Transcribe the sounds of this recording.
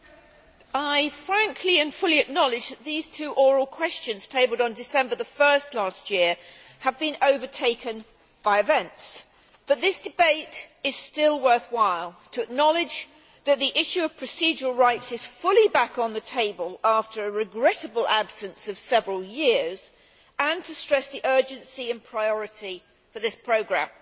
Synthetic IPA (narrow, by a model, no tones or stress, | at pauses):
aɪfɹæ̃ŋkʰliɨ̃nfʊlˠiɨk̚nɑlˠɨd͡ʒðɨt̪̚ðiz̥tʰʉːʔɔɹəlˠkʰw̥ɛst͡ʃɨ̃nz̥tʰeɪbəl̩ˠdn̩dɨsɛ̃mbə˞ðəfɜ˞stˡlæst̚jɪɹ | əvbɨ̃noʊvə˞tʰeɪkɨ̃n | b̥aɪɨvɛ̃nts | b̥ʌt̪̚ðɪsd̥ɨbeɪɾɨz̥stɪlˠwɜ˞θwaɪlˠtʰɨɨk̚nɑlˠɪd͡ʒ | ðɨt̪̚ðiʔɪʃʉʌv̥pʰɹ̥ɨsid͡ʒəl̩ˠɹaɪtsɨz̥fʊlˠibækn̩ðɨtʰeɪbəlˠæftə˞ɨɹɨɡɹɛɾɨbəl̩ˠæb̥sɨ̃nsʌv̥sɛvɹəl̩ˠjɪɹz | ə̃ntʰɨstɹ̥ɛsðiʔɜ˞d͡ʒɨ̃nsiɨ̃npʰɹ̥aɪɔɹɨɾi | fə˞ðɪspʰɹ̥oʊɡɹæ̰̃m